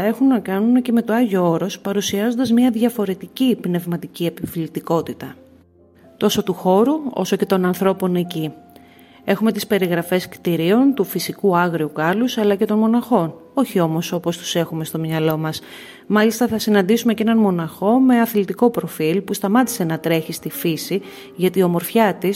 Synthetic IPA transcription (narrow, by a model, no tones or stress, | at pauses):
e̞xunːɐkɐnunece̞me̞t̪oɐʝooɾo̞spɐɾusiɐzo̞nd̪ɐzmɲɐðʝɐfo̞ɾe̞t̪icipne̞vmɐt̪icie̞piflit̪iko̞t̪it̪ɐ | t̪o̞so̞t̪uxo̞ɾuo̞̰so̞ce̞t̪o̞nɐnθɾo̞po̞ne̞ci | e̞xume̞t̪ispe̞ɾiɣɾɐfe̞skt̪iɾio̞nt̪ufisikuɐɣɾiukɐlusɐlɐce̞t̪o̞nmo̞nɐxo̞no̞çio̞mo̞so̞po̞st̪u̥se̞xume̞st̪o̞mɲɐlo̞mɐs | mɐlist̪ɐθɐsinɐnd̪isume̞cenɐnmo̞nɐxo̞me̞ɐθlit̪iko̞pɾo̞filpust̪ɐmɐt̪i̥se̞nɐt̪ɾe̞çist̪ifisi | ʝɐt̪iomo̞ɾfçɐt̪is